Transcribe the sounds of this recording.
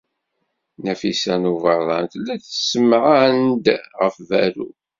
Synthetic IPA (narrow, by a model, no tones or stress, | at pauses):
næfisænuvəðˤɑnt̪lːæθəsəmʕand̪ʁəfvæɾṵ